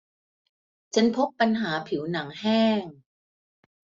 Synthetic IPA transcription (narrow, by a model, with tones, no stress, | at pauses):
t͡ɕʰa˧˥npʰo˦˥pːa˧nɦaː˩˦pʰi˩˦wna˩˦ŋhɛː˥˩ŋ